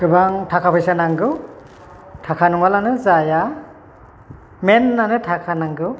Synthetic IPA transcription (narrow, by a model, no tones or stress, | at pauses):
kɯbaŋtʰakʰapʰɯjsanaŋɡɯ | tʰakʰanɯŋalanɯzaja | menːanɯtʰakʰanaŋɡɯ